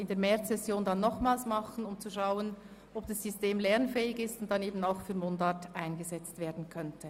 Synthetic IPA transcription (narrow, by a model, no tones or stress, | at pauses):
ɪndeːɐmɛt͡sːɛsjoːndɑnːɔχmaːlsmɑχən̩ʊmt͡suʃaʊən | ʔɔb̚d̥ɑsːysteːmlɛʁnfɛːɪɡɪstʊnt̚ːɑneːbn̩aʊxfyːɐmondatʔaɪnɡəzɛt͡stveːɐdn̩kʰœntʰə